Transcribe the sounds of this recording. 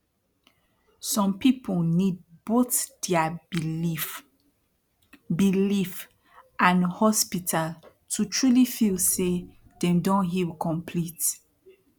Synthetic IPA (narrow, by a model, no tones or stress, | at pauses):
sɔ̃mpipʰolnid̚boθd̥ɛa | bilif | ʔãnhɔspitʰal | tʰutʰɹulifilse | dɛ̃mdõnɦilkʰɔ̃mpʰlit